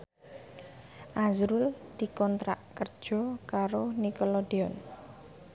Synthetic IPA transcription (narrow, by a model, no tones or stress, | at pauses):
ʔazɾʊld̪̥i̤kɔnt̪ɾa̰ʔkərd̥ʒ̥ɔ̤kaɾonikɔlɔdeɔn